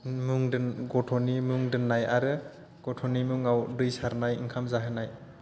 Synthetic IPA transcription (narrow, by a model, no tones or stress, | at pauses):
muŋdɯnɡɔtʰɔnimuŋdɯnːajaɾɯ | ɡ̥ɔtʰɔnimuŋawdɯjsaɾnajḭŋkʰamzaɦɯnaj